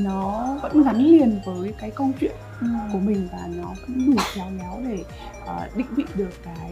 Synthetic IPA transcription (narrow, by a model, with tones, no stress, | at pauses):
nɔ˨˦və̰˧˥nɣa˨˦nli˨˩ənvəː˨˦jkaː˨˦jkə˧wŋ͡mt͡ɕwḭ˧˨ən | ku˧˩əmï˨˩ŋ̟vaː˨˩nɔ˨˦və̰˧˥nɗu˧˩t͡ɕaː˧wzɔː˨˦wɗe˧˩ | ʔəː˨˩ɗḭ̈˧˨ŋ̟ɓḭ˧˨ɗɨ˨˩əkːaː˨˦j